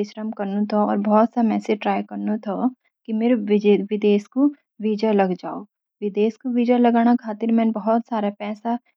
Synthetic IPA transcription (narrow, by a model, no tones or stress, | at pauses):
ɪʃɾəmkɐɾnut̪ʰoɔːɾbɐɦɔt̪samɛːseʈɾaːjkɐɾnut̪ʰo | kimeɾʋɪd̪eːsko | ʋiːd͡ʒəlɐɡd͡ʒaːo | ʋɪd̪eːskoʋiːd͡ʒəlɐɡaːnakʰaːt̪ɪɾmɛ̃nbɐɦɔt̪saːɾapɛːsa